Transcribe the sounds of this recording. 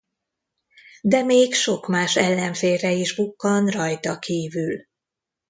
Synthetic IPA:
d̪ɛmeːkʃo̞kmaːʃɛlːɛɱfeːrɛiʒbukːɒnrɒjt̪ɒkiːvyl

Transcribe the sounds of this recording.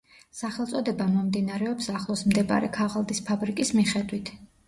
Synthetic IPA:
saχɛlˠt̪sʼɔd̪ɛbamɔmd̪inaɾɛɔpsaχlˠɔsmd̪ɛba̰ɾɛkʰaʁalˠd̪ispʰabɾikʼismiχɛd̪wit̪ʰ

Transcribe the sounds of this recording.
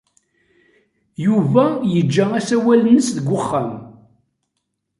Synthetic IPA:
juvæjəd͡ʒːææsæwælnəsðəɡʷːʊχːam

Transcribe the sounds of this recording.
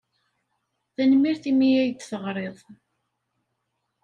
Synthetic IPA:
θænmiɾθimijæjd̪θəʁɾˤeðˤ

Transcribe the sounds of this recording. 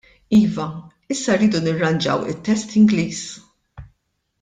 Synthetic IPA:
iːvɐ | ɪsːɐrːiːd̪unɪrːɐnd͡ʒɐ̰wɪ̰t̪ːɛst̪ɪŋɡliːs

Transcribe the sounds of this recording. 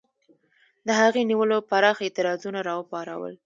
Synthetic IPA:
d̪əɦaɣeniwəlopaɾɑxaet̪ɪɾɑzunaɾɑəpɑɾa̰wə̰l

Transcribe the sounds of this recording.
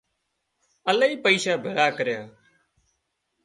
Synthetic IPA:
əlaːiːpəiːsaːbʱəɽaːkəɾjaː

